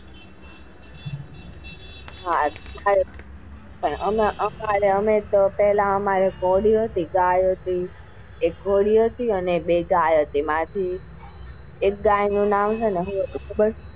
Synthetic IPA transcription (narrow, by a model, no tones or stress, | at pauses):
ɦaaɾe | pəɳəmaʔəmaɾeəmet̪opɛɦlãəmaɾekoɽiət̪iɡajot̪i | ekːoɽiot̪iəneɓeɡajət̪emãt̪ʰi | ek̚ɡajinũnamt͡ʃʰeneɦũət̪ukʰubəɾ